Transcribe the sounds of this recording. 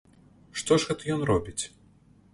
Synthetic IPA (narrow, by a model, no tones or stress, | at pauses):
ʂt̪ɔʐɣɛt̪ɐjɔnrɔbʲit͡sʲ